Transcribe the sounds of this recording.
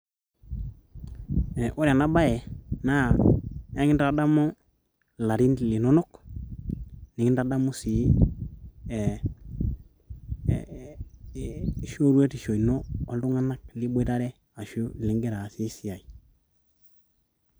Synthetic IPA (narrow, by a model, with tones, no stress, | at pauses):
ɛ˨ʔo˦ɾa˨na˦ba˦ɛ˨na˦˨a˦ŋɪ˦nda˨da˦mo˦ | la˨ɾi˦ntli˨nɔ˦nɔ˦k | ni˨ŋɪ˦nda˦da˦mu˦si˨˦˨ | ʃo˦ɾwe˦ti˨ʃo˨i˨noː˦˨ldu˦ŋa˦na˦k̚li˦be˦ta˦ɾɛ˦ | a˨ʃu˦˨li˨ŋɡe˦ɾa˨si˦si˦a˨i˨